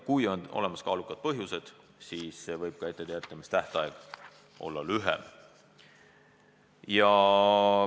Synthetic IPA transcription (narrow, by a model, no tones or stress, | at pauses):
kujo̞no̞̰le̞mɑskɑːlukːˑɑd̪̥̚pɤɦjuse̞d̪̥ | siːsːe̞vɤjb̥̚kɑe̞t̪ːˑe̞t̪eæt̪ˑːɑmist̪æht̪ɑeɡ̥ | ʔo̞̰lːɑlyɦḛ | jɑ